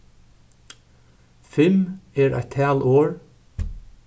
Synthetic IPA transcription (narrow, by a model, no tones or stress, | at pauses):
fɪmeːɾʔæ̰ɪt̪ʰæːlʔoːɹ